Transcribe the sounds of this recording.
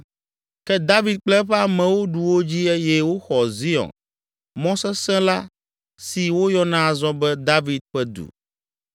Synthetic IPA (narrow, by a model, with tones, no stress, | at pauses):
kɛ˦d̪a˦vi˨d̪̚k͡plɛ˦ɸɛ˦a˨mɛ̃˨wo˦ɖu˨wo˦d͡ʑi˦ɛ˦jɛ˦wo˦xɔ˨zi˦ɔ̰̃˨n | mɔ̃˦sɛ˦sɛ̃˦la˦ | si˨wo˦jɔ˦nã˦a˨zɔ̃˦bɛ˦d̪a˦vi˨d̪̚ɸɛ˦d̪ṵ˨